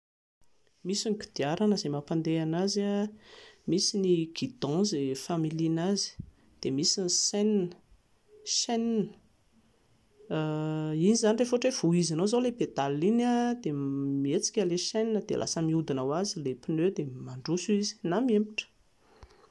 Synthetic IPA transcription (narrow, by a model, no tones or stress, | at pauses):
misinɡi̥d̪̥iaɾanəzemapand̪eanaza | misiniɡ̥id̪ɔ̃zefamilinazi̥ | d̪̥emisiniseninə̥ | ʃɛninə̥ | inizanirefʈ͡ʂev̥uizanowzawlebed̪alinad̪emiet͡si̥kʲəleʃeninəd̪ḛlʔa̰səmiud̪inawazilepinøwd̪emaɳɖ͡ʐusuizi̥namiempiʈ͡ʂə̥